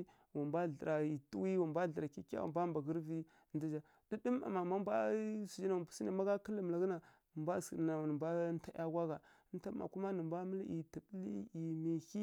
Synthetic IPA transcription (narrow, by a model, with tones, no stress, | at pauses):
wa˨mbʷa˦ɮə˨ɾa˨i˨tṵ˦wi˦wa˨mbʷa˦˨ɬə˨ɾa˨ki˦ka̰˦wa̰˨mba˦mba˨ɡə˦ɾvi˦˨ | ndə˦d͡ʒa˦ | di˦də˦ma̰˨ma˨ma˦mba˦su˨d͡ʒi˦na˨wa˨pu̥˨si˦na˨ma˦ɡa˦kə˦lə˨m˨a˨ɡə˦na˨ | mbʷa˦˨skna˨nə˨mba˦ta˦ʔja˦ɡʷa˦ɣa˨˦ | nta˦ma̰˨ku˦ma˦nə˨mba˦mə˦li˨tə˨bli˦i˨mi˨hi˦